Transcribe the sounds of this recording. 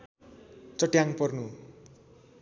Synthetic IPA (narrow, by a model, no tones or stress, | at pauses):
t͡sʌʈjaŋpʌrnu